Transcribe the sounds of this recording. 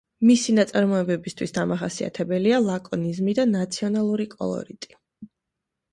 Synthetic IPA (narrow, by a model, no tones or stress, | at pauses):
misinat̪sʼaɾmɔɛbɛbist̪ʰwisd̪amaχasia̰t̪ʰɛbɛlialˠakʼɔnizmid̪anat̪sʰiɔnalˠuɾikʼɔ̰lˠɔ̰ɾit̪ʼi̥